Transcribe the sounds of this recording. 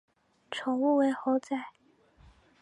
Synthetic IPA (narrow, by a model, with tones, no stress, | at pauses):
ʈ͡ʂʰʊ˨˩˥ŋu˥˧we˧˥ɪxo˧˥ʊt͡sa˥˩ɪ